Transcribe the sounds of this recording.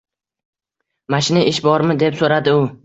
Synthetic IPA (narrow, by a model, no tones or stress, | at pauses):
maʃɪnɪʔɪʃbɒɾmɪd̪e̞psoɾad̪ɪʊ